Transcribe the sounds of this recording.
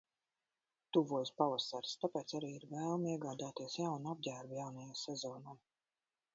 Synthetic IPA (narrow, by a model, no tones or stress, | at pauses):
t̪uvuɔjspavasaɾst̪apɛːt̪saɾiːiɾvɛːlˠmiɛɡaːd̪aːt̪iɛsjawnab̚ɟʲæːɾbjawnajaːsɛzɔːnaj